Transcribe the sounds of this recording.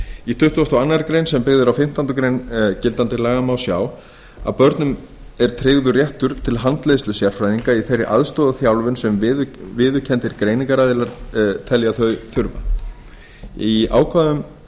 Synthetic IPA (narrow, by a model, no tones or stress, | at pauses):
it̪ʰʏht̪uast̪ɔanːaɾkɾejnsɛmpɪɣðɪɾawfɪm̥t̪ant̪ʏkɾejncɪlt̪ant̪ɪɾlaːɣamawsja̰ːw | a̰pœɾt̪nʏm | ɛɾ̥t̪ʰɾeːɣðʏrjɛht̪ʏɾ̥t̪ʰɪlɦant̪lejstlʏsjar̥fɾajðiŋkaiθejrːɪʔa̰ðst̪ɔːðaθjawlvʏnsɛmɪvɪːðʏcʰɛnt̪ɪɾkɾeːjniŋkaɾajðɪlaɾt̪ʰɛljaθœɥθʏɾva̰ | ia̰ːwkʰvaːðʏm